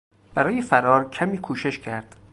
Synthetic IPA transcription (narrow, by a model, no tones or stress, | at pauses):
b̥æɾɒːjefæɾɒːɾcʰæmiːkʰuːʃe̞ʃcʰæɾd̪̥